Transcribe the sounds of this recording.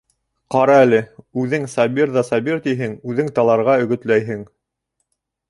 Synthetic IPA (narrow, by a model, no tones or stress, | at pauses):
qɑɾɑælɘʉðɘŋsɑbiɾðɑsɑbiɾt̪iɦɘŋʉðɘŋt̪ɑlˠɑɾʁɑɵ̆ɡɵ̆t̪læjɦɘŋ